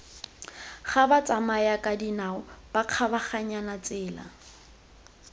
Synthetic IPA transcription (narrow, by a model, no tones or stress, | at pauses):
χabat͡sʼamajakʼadinaʊb̥aq͡χʰabaχaɲanat͡sʼɪːla̰